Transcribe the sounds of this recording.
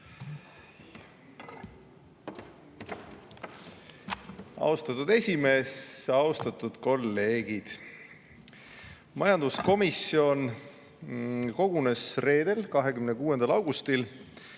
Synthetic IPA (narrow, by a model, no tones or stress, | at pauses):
ɑ̰wst̪ɑt̪ːud̪̥e̞sʲime̞ːsɑwst̪ɑt̪ːˑud̪̥ko̞lːe̞ːɡ̥id̪̥ | mɑjɑnd̪̥usko̞misio̞n | ko̞ɡ̥une̞sre̞ːd̪̥e̞lkɑɦe̞kymnekuːe̞nd̪̥ɑlɑwɡ̥ust̪il